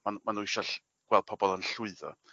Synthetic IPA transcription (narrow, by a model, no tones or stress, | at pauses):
manmanuɪʃɔ | ɡ̥wɛlˠd̚pʰɔbɔlˠənɬʊɨðɔ̰